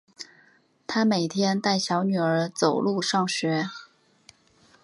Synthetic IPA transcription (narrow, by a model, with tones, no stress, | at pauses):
t̪ʰa˥me˨˩ɪt̪ʰjɛ˥nt̪a˥˩ɪɕjɑ˧˥ʊny˨˩ə˞˧˥t͡so˨˩ʊlu˥˧ʂɑ˥˩ŋɕɥɛ˧˥